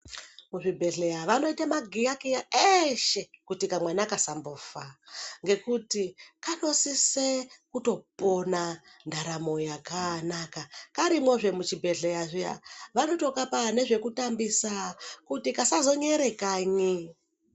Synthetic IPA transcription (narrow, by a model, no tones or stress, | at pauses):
muʐibʱe̞ɮejaʋano̞itamaɡʱijakejaeʃe̞kutikamwenakasamboːfaŋɡe̞kutikano̞sisekuto̞ponandaɾamo̞jakanakakaɾimwo̞ʐe̞mut͡ʃibʱe̞ɮe̞jaʐija̰ʋanoto̞kapane̞ʐe̞kutambisakutikasazo̞ɲe̞ɾe̞kaːɲi